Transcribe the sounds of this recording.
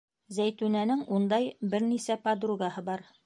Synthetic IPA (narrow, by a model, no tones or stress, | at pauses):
zæjt̪ʉnænɘŋund̪ɑjbɘɾnisæpɐd̪ruɡahɤbɑɾ